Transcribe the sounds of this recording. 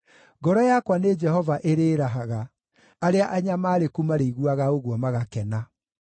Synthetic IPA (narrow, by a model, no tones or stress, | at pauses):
ɡɔɾɔjakwaned͡ʒɛhɔvaʔeɾeːɾaɦaɣa | aɾeaʔaɲamaːɾekumaɾeiɣwaɣaoɣwɔmaɣakɛna